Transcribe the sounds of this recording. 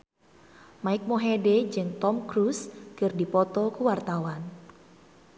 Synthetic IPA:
maɪk̚moɦeded͡ʒɨŋt̪ɔmkɾuskɨrdipɔt̪ɔkuwart̪awan

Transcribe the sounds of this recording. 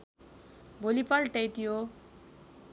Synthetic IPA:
bʱolipʌlʈejt̪ijo

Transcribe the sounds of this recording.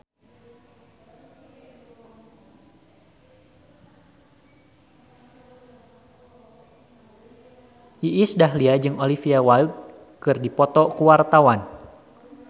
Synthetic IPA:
iʔisdaɦliad͡ʒɨŋolifiawald̪̚ | kɨrdipɔt̪ɔkuwart̪awan

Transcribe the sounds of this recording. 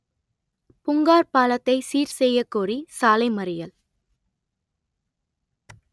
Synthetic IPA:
pʊŋɡaːɾpaːlɐt̪ːɐɪsiːɾsɛjːɐkːuːrisaːlɐɪmɐɾɪjɐl

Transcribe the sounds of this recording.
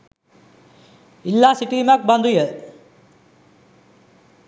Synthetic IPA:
ilːaːsiʈiːmak̚band̪ujə

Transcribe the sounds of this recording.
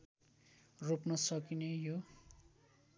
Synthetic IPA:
ropnʌsʌkinejo

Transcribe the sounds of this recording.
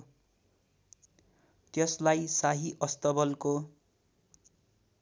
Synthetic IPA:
t̪jʌslajsaɦiʔʌst̪ʌbʌlko

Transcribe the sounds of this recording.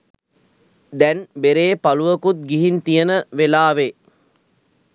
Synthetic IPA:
d̪ɛnbeɾeːpaluʋəkut̪̚ɡiɦint̪ijənəʋelaːʋe

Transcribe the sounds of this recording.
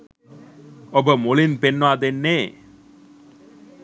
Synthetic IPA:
obəmolinpenːəʋaːd̪enːeː

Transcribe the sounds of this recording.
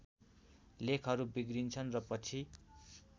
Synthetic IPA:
lekʰʌɾubiɡrint͡sʰʌnrʌpʌt͡sʰi

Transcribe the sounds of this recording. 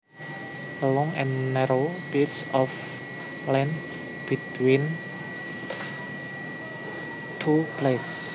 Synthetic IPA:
lɔŋɛ̃nnɛɾopisɔf | lɛ̃nd | b̥it̪win | t̪ʰuples

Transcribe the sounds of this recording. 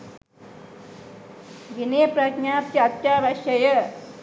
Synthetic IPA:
ɡineːpɾɐɡɲaːp̚jɐɐt̪jaːʋɐʃɐjɐ

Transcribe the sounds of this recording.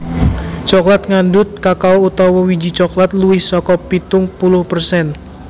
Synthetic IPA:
t͡ʃɔklat̪̚ŋandʊt̪̚kakaout̪ɔwɔwid͡ʒit͡ʃɔklat̪luɪhsɔkɔpit̪ʊŋpulʊhpərsɛn

